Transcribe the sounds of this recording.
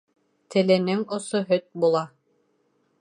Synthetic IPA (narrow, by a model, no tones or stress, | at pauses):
t̪ʰɘ̆lɘ̆nɘŋŏsoɦɵt̪̚bulˠɑ